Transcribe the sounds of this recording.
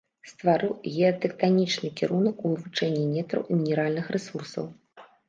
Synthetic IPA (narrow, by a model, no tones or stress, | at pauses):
st̪vaɾɨwɣʲɛɐt̪ɛkt̪anʲit͡ʂnɨkʲiɾunɐkuvɨvut͡ʂɛnʲːinʲɛt̪ɾɐ̰wmʲinʲɛɾalʲnɨxrʔɛsursɐ̰w